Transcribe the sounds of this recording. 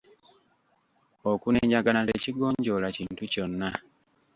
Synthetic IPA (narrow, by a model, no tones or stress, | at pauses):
okuneːɲaɡanaleːciɡo̞ːɲɟo̞laciːntuco̞nːa